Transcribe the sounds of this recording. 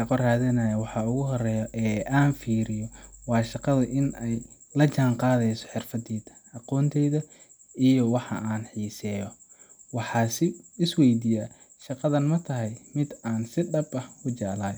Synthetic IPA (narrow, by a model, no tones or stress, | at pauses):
ʃɑqɔraːðɐnaːjɐwɑħɑʊɣʊɦɔrɛːjɔʔɛːʔaːnfiːɾɪjɔwɑːʃɑqɑðɐʔɪnɛjlɐt͡ʃaːɴqɑːðɛjsɔ̥ħɪrfɐd̪ɛːd̪ɐ̥ʔɑqɔːnt̪ʰɛjðɐ | ijɔwɑħɑ̰ʔaːnħiːsɛːjɔ | wɑħɑːsɪɪswɛjd̪ija | ʃɑqɑðɐnmɐt̪ʰɐɦɛjmɪd̪aːnsɪɖɐbɐhkʰʊt͡ʃɑ̰ːlaːj